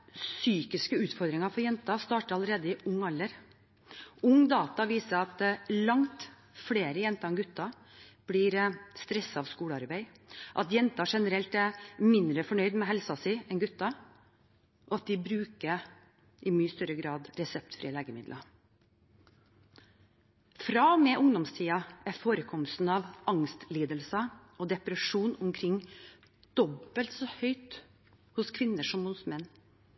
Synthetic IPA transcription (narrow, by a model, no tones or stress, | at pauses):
syːkɪskəʉːt̪fɔɾd̪ɾɪŋɑfɔɾjɛnt̪ɑst̪ɑːʈəɾɑləɾeːd̪əɪʔʊŋːɑlːəɾ | ʊŋd̪ɑːt̪ɑʋiːsəɾɑt̪lɑŋt̪ | fleːɾəjɛnt̪ɑɛnɡʉt̪ːɑ | b̥lɪɾst̪ɾɛsːɑɑʋskuːɽəɑɾbæɪ | ʔɑt̪jɛnt̪ɑʂɛnəɾɛlt̪æmɪnd̪ɾəfɔɳœʏd̪mɛɦɛlsɑsɪʔɛnɡʉt̪ːɑ | ʔɔɑt̪̚d̪ɪbɾʉːkə | ʔɪmyːəst̪œɾəɡɾɑːd̪ɾɛsɛp̚t̪fɾiːəleːɡəmɪd̪lʔɑ | fɾɑːɔmeːʔʊŋd̪ɔmst̪ʰiːɑæfoːɾəkʰɔməst̪n̩ɑʋɑŋst̪liːd̪əlsəɔːd̪ɛpɾɛʂuːnʊmkʰɾɪŋː | d̪̥ɔbəlt̪sɔːhœʏt̪ | hʊskʰʋɪnːəʂɔmhʊsmɛnː